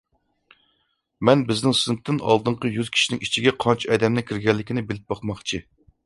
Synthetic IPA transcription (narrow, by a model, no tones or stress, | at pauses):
mɛnbɪznɪŋsɨnt̪ːɪnɑ̰lˠd̪ɨɴqəjyz̥kʲʰi̥ʃinɪŋit͡ʃʰiɡʲɛqʰɑnt͡ʃʰɛd̪ɛmnɪkʲʰiɾɡʲɛlːɪkʲinɪbɪlɪp̚bɑqmɑχt͡ʃʰi